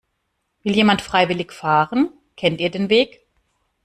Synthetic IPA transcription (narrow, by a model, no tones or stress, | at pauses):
vɪljeːmantfʁ̥aɪvɪlɪçfaːʁən | kʰɛntiːɐdeːnveːk